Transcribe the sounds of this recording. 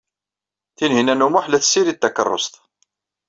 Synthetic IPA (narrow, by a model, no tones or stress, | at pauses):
θinhinænumʊħlæθsiɾit̪ːækə̰rˤːo̰sˤt̪